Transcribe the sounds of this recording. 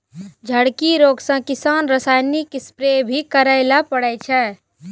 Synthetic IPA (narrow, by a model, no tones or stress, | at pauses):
d͡ʒʱəɽkiɾoːɡsə̃kɪsaːnɾəsaːjnikːɪspɾebʱikəɾəɪlapəɽɛt͡ʃʰɛ